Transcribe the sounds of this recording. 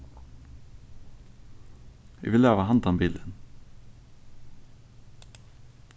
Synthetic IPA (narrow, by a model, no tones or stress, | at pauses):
æ̰ʋɪlæːʋəɦɑnt̪ʰɑmbiːlən